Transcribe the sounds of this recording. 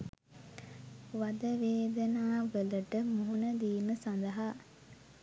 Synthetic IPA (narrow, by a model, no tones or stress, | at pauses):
ʋad̪əʋeːd̪ənaːʋələʈəmuɦunəd̪iːməsand̪əɦa